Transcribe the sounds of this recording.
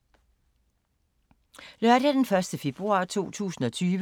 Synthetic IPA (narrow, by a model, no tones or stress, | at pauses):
lɶɐd̥æd̥enfɶɐsd̥əfe̝b̥ʁuɑ̰̈ːt͡sʰo̝̰ːt͡sʰṵːsn̩ɒ̽t͡sʰyːʋ